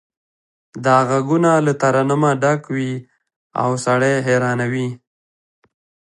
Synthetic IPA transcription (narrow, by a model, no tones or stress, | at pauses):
d̪ɑɣaɡunalat̪aɾanəmaɖakwi | a̰wsaɽeɦeɾɑnawi